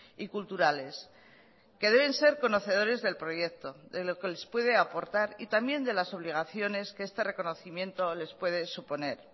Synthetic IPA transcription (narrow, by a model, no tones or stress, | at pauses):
ikult̪uɾale̞s | ke̞ðe̞β̞e̞nse̞ɾko̞no̞θe̞ð̞o̞ɾe̞zðe̞lpɾo̞je̞k̚t̪o̞ðelo̞ke̞le̞spwe̞ð̞e̞apo̞ɾt̪aɾit̪ambje̞nd̪e̞laso̞β̞liɣ̞aθjo̞ne̞skeest̪e̞re̞ko̞no̞θimje̞nt̪o̞le̞spwe̞ð̞e̞supo̞ne̞ɾ